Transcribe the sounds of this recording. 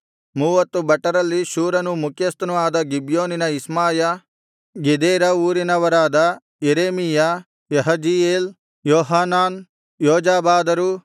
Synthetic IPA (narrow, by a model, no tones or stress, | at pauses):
muːʋɐt̪ːubɐʈːɐɾɐlːiʃuːɾɐnumukʰjɐst̪ɐnuaːd̪ɐɡibjoːninɐismaːjɐ | ɡed̪eːɾɐuːɾinɐʋɐɾaːd̪ɐ | jeɾeːmija | jɐɦɐd͡ʒijeːl | joːɦaːnaːn | jɔːd͡ʒaːbaːd̪ɐɾu